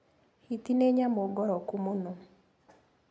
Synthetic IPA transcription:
hit̪ineɲamoɡɔɾɔkumono

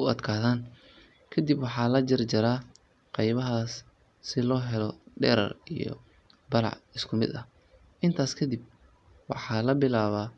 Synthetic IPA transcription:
ʊɐd̪kʰaːðaːn | kʰɐd̪ibwɑħɑːlɐd͡ʒɐrd͡ʒɐɾaː | qɑjβɐɦaːsː | ɪlɔːɦɛlɔɖɛ̰ːɾɐ̰rijɔ̰ | bɐɾɑ̰ʕɪskʰʊmɪ̰d̪ɐ̰h | ʔɪnt̪ʰaːskʰɐd̪ib̚ | wɑ̰ħɑːlɐbɪlaːβaː

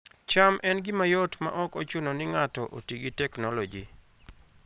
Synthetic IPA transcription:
t͡ʃamʔɛnɡɪmajɔtma̰ʔɔkɔt͡ʃʊnɔnɪŋatɔʔotiɡitɛknɔlɔd͡ʒi

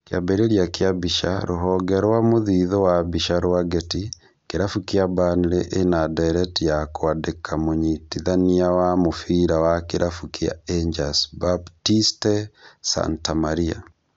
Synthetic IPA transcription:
kjabɛɾeɾjakeabiʃa̰ɾoɦɔɡɛɾowamoðiðɔwabiʃaɾoaɡɛti | keɾafukiabanɾeʔenadaɾɛtijakoadekʰamoɲitiðaniawamofiɾawakeɾʔafukia̰eɲd͡ʒasbabtistɛsa̰ntamaɾia̰

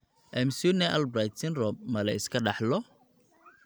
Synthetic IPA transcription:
ʔɛmsunɛʔɐlbɾajt̪sɪnrɔb̚mɐlɐɪskʰɐɖɑħlɔ

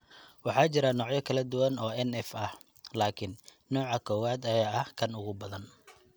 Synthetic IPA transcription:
wɑħɑːt͡ʃɪɾɐnɔːʕjɐkʰɐlɐd̪ʊwɐnɔːɛnɛfɐh | laːkʰɪnː | ɔːʕɑkʰɔːwaːd̪ɐjaːɐhkʰɐnʊɣʊbɐðɐn

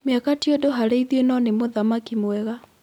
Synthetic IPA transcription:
meakatiɔdoɦaɾeiðenɔnemoðamakimwɛɣa

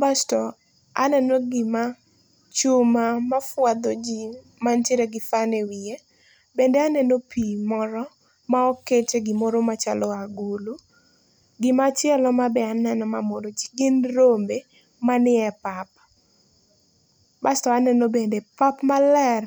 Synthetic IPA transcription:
bastɔ | anɛnoɡɪma | t͡ʃʊmamafwad̪od͡ʒi | manteɾeɡɪfanewie | bendeanɛnopimɔɾɔ | maɔket͡ʃeɡɪmoɾomat͡ʃa̰lɔaɡulu | ɡɪmat͡ʃjɛlɔmabɛanɛnɔmamodod͡ʒiɡɪnrombe | manɪɛpap̚ | bastɔanɛnobendepapmalɛr

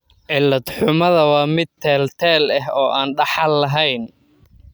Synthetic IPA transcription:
ʕɪlːɐd̪ħʊmɐðɐwɑːmɪd̪̚t̪ʰɛːlt̪ʰɛːlɐɦɔːʔaːnɖɑħɑlːɐɦɛjn

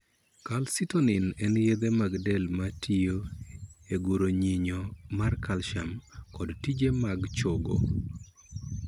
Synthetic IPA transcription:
kalsɪtonɪnɛnjed̪emaɡdɛlmatʰijoeɡuɾoɲiɲɔmarkalʃamkɔdtid͡ʒemaɡt͡ʃoɡo̰

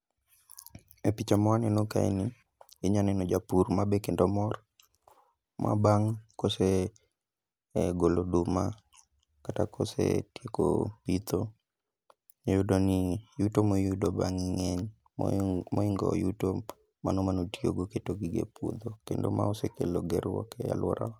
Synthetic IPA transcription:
epit͡ʃamɔanɛnoka̰ḭni | ɪɲanɛnod͡ʒapurmabekendomɔr | mʔa̰baŋkose | ɡolodʊma̰ | katakʰosḛtjeko̰pit̪o | judonijutomojudobaŋiŋɛɲ | mɔiŋɡɔ̰juto | manomanotioɡoketoɡiɡḛpwo̰d̪okendoma̰osekeloɡɛɾwɔ̰kɛja̰lwɔɾʔa̰

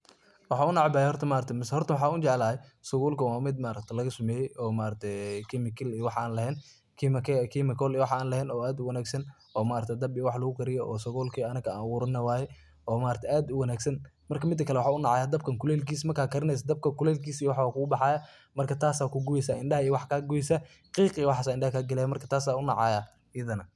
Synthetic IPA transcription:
wɑħɑːʊnɑʕbaːjhɔrt̪ʰɐmaːɾt̪ʰmɪsɛhɔrt̪ʰɐwɑħɑːʊt͡ʃɛʕlaːhɛsʊɣuːlkɐwaːmɪd̪maːɾɐk̚t̪ʰɛlɐɣɐsʊmɛːjɛʔɔːmaːɾɐkt̪ʰɛjkʰɪmɪkʰɪlijwɑħʔaːnlɐhɛːn | kʰːmkkʰimɪkʰɔlijwɑħaːnlɐɦhɛːnɔːaːd̪ʊwɐnaːɡsɐn | ʔɔːmaːɾt̪ʰɛd̪ɐbiwɑħlɐɣʊkʰɐɾɪjɔʔɔ̰ːsʊɣɔːlkʰiːɐnɐkʰɐa̰ːwʊɾɪnːɐwaːjɛ | ɔːmaːɾɐt̪ʰɛjʔaːd̪ʊwɐnaːɡsɐn | mɐrkʰɐmɪd̪ːɐkʰɐlɛwɑħɑːʊnɑʕɑːjaːd̪ɐb̚kʰɐŋkʰʊlɛːlkiːsmɐrkʰaːkʰɐɾɪnɛjs̬ɐd̪ɐb̚kʰɐkʊlɛlkʰiːsijwɑħwakʰʊɡʊbɑħɑːjɐ | mɐrkʰɐt̪ʰaːsaːkʰʊɡuɛsaːɪnɖɐhɐijwɑħkʰaːɡʊɪsa | qiːqiːwɑħɑːsaːɪnɳɖɐhɐkʰaːɡɐlɛjamɐrkʰɐ̥t̪ʰaːs̬aːʊnɑ̰ʕɑjaː | jɐðɐnɐ

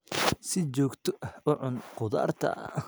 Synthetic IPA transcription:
sɪt͡ʃɔːɡt̪ʰɔʔɐhʊʕʊnqʊða̰ːrt̪ʰɐ̰

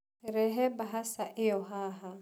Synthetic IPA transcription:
ɾɛɦɛbaɦasaʔɪjɔɦaːɦa

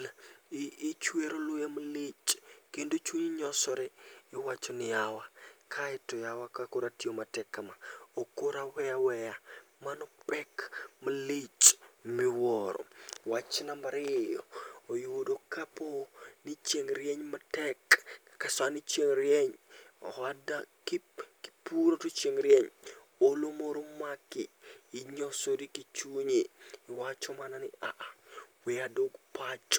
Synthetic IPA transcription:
t͡ʃweɾolʊjamalit͡ʃkendot͡ʃuɲɪɲɔsɔɾeːwat͡ʃonɪjawakʰaɪtɔjawakakoɾatiomatɛkːamaokoɾawɛjawɛjamanɔpɛkmalit͡ʃmɪwɔɾɔ̰wat͡ʃɪnamaɾɪjɔ̰ojodokaponit͡ʃeŋɾieɲmɐtɛkː | asanit͡ʃeŋɾieɲ̰hadakiki̥puɾotut͡ʃeŋɾieɲ | olomoɾomakːiiɲosodikit͡ʃuɲiːwat͡ʃomananiaʔawiadoɡpat͡ʃ

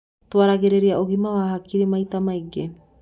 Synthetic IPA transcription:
t̪oaɾaɡeɾeɾiaʔoɡimaβaːɦakiɾemajt̪amajɡe

